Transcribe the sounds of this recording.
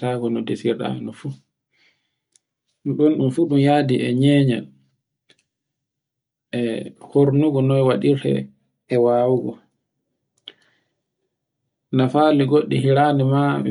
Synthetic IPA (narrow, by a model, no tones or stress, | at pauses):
taːɡɔnɔdesiɾɗa̰nɔfu | nɗɔnɗumfuɗumjadiʔɛɲɛːɲa̰n | ʔɛhoɾnuɡɔnɔjwaɗiɾtɛ̰ | ɛwaːwuɡɔ | nafaliɡoɗːiɦiɾanimamḭ